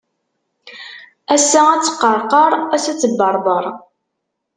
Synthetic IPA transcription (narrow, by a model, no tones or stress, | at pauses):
æsææt͡sːə̥qːəɾˤqəɾˤæsæt͡sːəbːɑɾˤbəɾˤ